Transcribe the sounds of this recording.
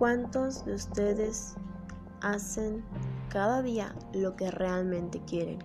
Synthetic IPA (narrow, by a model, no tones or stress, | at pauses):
kwant̪o̞zðeust̪e̞ðe̞s | ase̞ŋkaðaðia̰lo̞ke̞rʔealmẽnt̪e̞kje̞ɾḛn